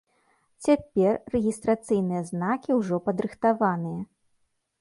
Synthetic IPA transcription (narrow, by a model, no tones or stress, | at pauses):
t͡sʲapʲɛrːɛɣʲist̪ɾat̪sɨjn̪ɨjɐznakʲiwʐɔpɐd̪ɾɨxt̪avanɨjɐ